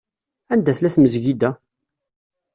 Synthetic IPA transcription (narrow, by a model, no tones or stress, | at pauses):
ænd̪æθlæθməzʝid̪æ